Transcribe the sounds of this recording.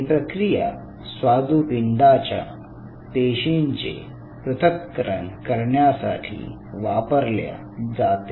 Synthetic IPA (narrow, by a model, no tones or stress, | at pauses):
pɾəkɾija̰ | sʋad̪ʱupiɳɖ̪at͡ɕja̰ | t̪eɕiɲt͡ɕḛ | pɾut̪ʰəkːəɾə̰ɳkəɾɳjasa̰ʈʰḭː | ʋapəɾlja̰ | d͡zat̪e